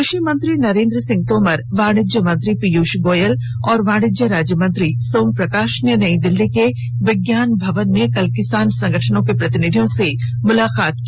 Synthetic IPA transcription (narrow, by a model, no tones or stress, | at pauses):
kʊʃimə̃nt̪ɾinɐɾẽːnd̪ɾəsɪ̃ŋɡ̚t̪oːmɐɾʋaːɽ̃ɪd͡ʒjəmə̃nt̪ɾipijuːʃɡoːjəl | ɔːɾʋaːɽ̃ɪd͡ʒjəɾaːd͡ʒjəmə̃nt̪ɾisoːŋɡ̚pɾɐkaːʃnjənɐid̪ɪlːike | ʋɪɡjaːnbʱɐʋənmekɐlkɪsaːnsɐ̃ŋɡəʈʰənõkepɾɐt̪ɪnɪd̪ʱijõsemʊlaːkaːt̪ki